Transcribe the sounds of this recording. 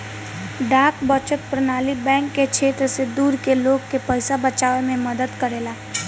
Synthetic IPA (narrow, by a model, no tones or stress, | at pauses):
ɖaːkbət͡ʃət̪̚pɾənaːlibɛ̃ːŋkːet͡ʃʰeːt̪ɾəsed̪uːɾkeloːɡkepɛɪsabət͡ʃaːʋemẽməd̪əd̪kəɾeːlaː